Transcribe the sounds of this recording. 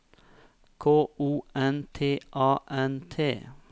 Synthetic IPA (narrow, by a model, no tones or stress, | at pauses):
kʰoːuːɛnt̪ʰeːʔɑːʔɛnt̪ʰḛː